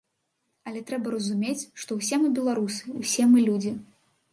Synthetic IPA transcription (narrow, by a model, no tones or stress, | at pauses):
ɐlʲɛt̪ɾɛbɐɾɐzumʲet͡sʲʂt̪ɔwsʲɛmɨbʲɛlˠaɾusɨwsʲɛmɨlʲud͡zʲi